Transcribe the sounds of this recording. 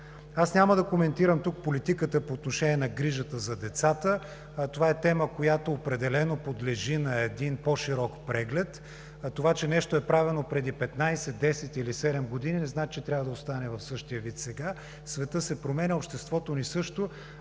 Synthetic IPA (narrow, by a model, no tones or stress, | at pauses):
asnʲaməd̪ɐkomɛnt̪iɾəmt̪uk̚polit̪ikət̪əpoːt̪noʃɛnʲiɛnɐɡɾiʒət̪əzɐd̪ɛt̪sat̪ə | t̪ovaɛt̪ɛməkojat̪oːpɾɛd̪ɛlɛnopod̪lɛʒinɐɛd̪inpɔʃiɾɔkpɾɛɡlɛt̪ː | ovat͡ʃɛnɛʃt̪oɛpɾavɛnopɾɛd̪ipɛt̪najsɛt̪d̪ɛsɛt̪ilisɛd̪ɛmɡod̪ininɛznat͡ʃɛt̪ɾʲavəd̪ɐost̪anɛvɐfsɤʃt̪ijəvit̪sɛɡa | svɛt̪ɤsɛpɾomɛnʲəopʃt̪ɛst̪vɔt̪onisɤʃt̪o